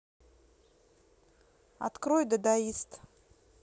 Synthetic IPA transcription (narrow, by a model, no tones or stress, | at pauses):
a̰t̪kɾojd̪əd̪aist̪